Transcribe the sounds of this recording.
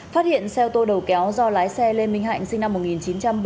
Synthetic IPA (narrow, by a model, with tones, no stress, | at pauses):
faː˦˥t̚hḭ˧˨ənsɛ˧wt̪o˧ɗə˨˩wkɛ˨˦wzɔ˧laː˨˦jsɛ˧le˧nmï˧ŋɦa̰ː˧˨ŋ̟sï˧ŋna˧mːo˨˩t̚ŋi˨˩nt͡ɕi˨˦nt͡ɕa˧mɓ